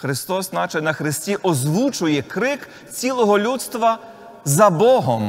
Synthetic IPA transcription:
xɾɪst̪ɔsnɑt͡ʃɐnɐxɾɪsʲtʲiʔɔzʋut͡ʃʊjɛkɾɪk | t͡sʲilˠɔɦɔlʲut̪st̪ʋɐ | zɐbɔɦɔm

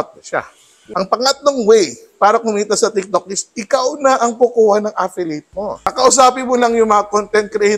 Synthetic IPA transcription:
t̪̚ʃa̰ | ʔɐŋpɐŋɐt̪̚noŋwɛj | paːɾɐkʊmiːt̪ɐsɐt̪ɪk̚t̪ok̚ɪsʔɪkawnɐʔɐŋpʊkuːhɐnɐŋʔafɪlit̪̚moɐkɐʔʊs̬aːpɪnmolɐŋjʊŋmɐŋɐkont̪ɛnt̪̚kɾɛʔ

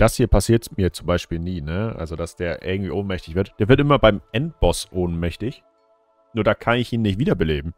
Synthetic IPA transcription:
d̥ashiːɐpʰasiːɐtmiːɐt͡sʊmbaɪʃpiːlniːnəʔa̰lzod̥asd̥eːɐʔɪ̰ɐɡŋ̩tv̥ḭːʔoːnmɛçtɪçv̥ɪɐtd̥eːvɪɐt̬ʔɪmɐbaɪmʔɛnt̚b̥ɔsʔoːnmɛçtɪç | nuːɐdaːkʰanɪçiːnːɪçtv̥iːdɐbəleːbm̩

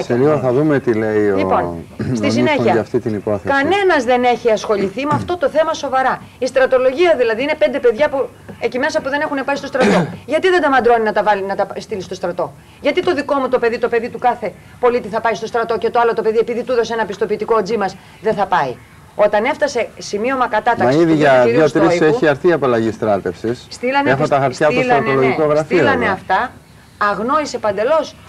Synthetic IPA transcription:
seliɣoθɐðumet̪ileiolipo̞nst̪is̬ineçiɐɐft̪it̪inipoθekɐne̞nɐzðe̞ne̞çiɐsxo̞ʎiθimɐft̪o̞t̪o̞θe̞mɐso̞vɐɾɐ | ist̪ɾɐt̪o̞lo̞ʝiɐðilɐðiine̞pe̞nd̪e̞pe̞ðʝɐpu | ecime̞sɐpuðe̞ne̞xune̞pɐist̪o̞st̪ɾɐt̪o̞ʝɐt̪iðend̪ɐmɐnd̪ɾo̞ninɐt̪ɐvɐlinɐt̪ɐst̪ilist̪o̞st̪ɾɐt̪o̞ | jʝɐt̪it̪o̞ðiko̞mut̪o̞pe̞ðit̪o̞pe̞ðit̪ukɐθe̞ | po̞lit̪iθɐpɐist̪o̞st̪ɾɐt̪o̞cet̪oɐlo̞t̪o̞pe̞ðie̞piðit̪uðo̞se̞nɐpist̪o̞piːt̪iko̞d͡zimɐs | ðe̞θɐpɐi | o̞t̪ɐne̞ft̪ɐse̞simio̞mɐkɐt̪ɐt̪ɐkmɐsiðiʝɐðjost̪ɾiseiɐɾθiɐpɐlɐʝist̪ɾɐt̪e̞fsisst̪ilɐnexot̪ɐxɐɾtsçɐoslɾɐnoloʝikoɣɾɐfiolɐneɐft̪ɐː | ɣno̞ise̞pɐnd̪e̞lo̞s

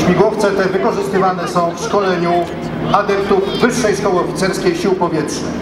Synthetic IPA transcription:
ɕmʲiɡwɔft̪sɛt̪ɛvɘkɔʐɘst̪ɘvanɛsɔ̃w̃fʂkɔlɛɲu | ad̪ɛp̚t̪uvvɘʂːɛjʂkɔwɘɔfʲit̪sɛɾskʲejɕiwpɔvʲjɛtʂnɘ

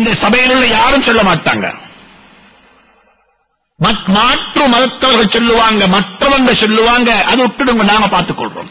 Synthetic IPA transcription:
ɪnd̪ɐsɐbɐjɪnɯɭːɐjaːɾɯmsɔlːɐmaːʈːa̰ːŋɡɐ̰ | mɐmaːʈrɯmɐðɐt̪ːɐʋɐɾɣɐɭsɔlːɯʋaːŋɡɐmɐʈrɐʋɐndɐsɔlːɯʋaːŋɡɐʔɐðɯʊʈːɪɽɯŋɡɐnaːŋɡɐpaːɾt̪ɯkːɔ̰ɭro̰ːm

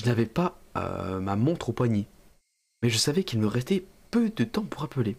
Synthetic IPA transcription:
ʒənavɛpaø̰mamɔ̃t̪χopwaɲe | mɛʒəsavɛkilməʁɛst̪ɛpød̪ət̪ɑ̃puʁapəle

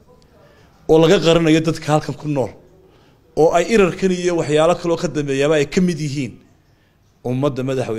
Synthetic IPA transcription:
ɔːlɐɣɐqɑɾɐnɐjɔd̪ɐd̪kʰɐhɐlkʰɐŋkʰʊnɔːl | ɔːʔɛjɪɾɐrkʰɐnijɔwɑħjaːlɐkʰɐlɔːkʰɐd̪ɐmbɛːjaːβɐɛjkʰɐmɪd̪jɪɦiːn | ʊmːɐd̪ːɐmɐðɑħwɛ

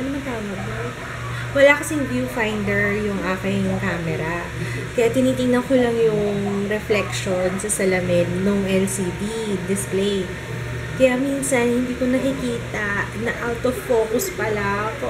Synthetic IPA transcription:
ʔɐnɐmɐnt̪aːmɐɡ̚d̪o | wɐlakɐsiŋbjufajnd̪ɛɹjʊŋʔaːkɪŋkaːmɛɾa | kɐjat̪ɪniːt̪ɪŋnɐŋkolɐŋjʊŋɾɛflɛkʃonsɐsɐlɐmɪd̪noŋʔɛlsiːb̪id̪ɪsplej | kɐjamiːnsɐnhɪnd̪iːkonɐkɪkiːt̪ɐnɐʔawt̪ɔvːo̞ːkʊspɐla

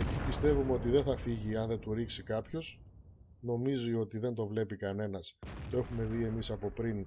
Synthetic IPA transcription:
e̞cipist̪e̞vumeo̞t̪iðeθɐfiʝiɐnðe̞t̪uɾiksikɐpço̞s | no̞mizio̞t̪iðe̞nd̪o̞vle̞pikɐne̞nɐst̪o̞e̞xume̞ðie̞misɐpo̞pɾin

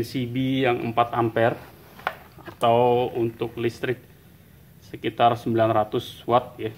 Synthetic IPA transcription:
nsibijaŋə̰mpat̪ampɛr | at̪awunt̪ʊk̚list̪ɾɪk̚ | səkit̪arsəmbilanrat̪ʊswat̪̚ja

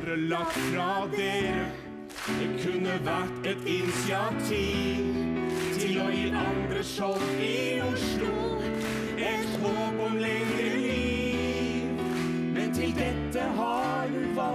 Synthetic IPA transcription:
ɾəlɑk̪fɾɑd̪ɛ | d̪ɛkʰʉnːəʋæʈɛt̪ɪnɪsɪɑt̪ʰiːʋt̪ʰɪlɔjiːʔɑnd̪ɾəʂɔp | ɪ | ʊʂlʊ | ɛt̪hoːpəmlɛɡ | əli | mɛnt̪ʰɪld̪ɛt̪ːəɦɑ | j | ʋɑ

